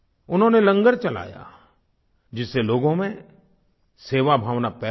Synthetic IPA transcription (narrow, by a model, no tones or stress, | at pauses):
ʊnɦõnelɐ̃ŋɡəɾt͡ʃɐla̰ːja̰ | d͡ʒɪsːeloːɡõmẽ | seːʋabʱaːʋnapɛː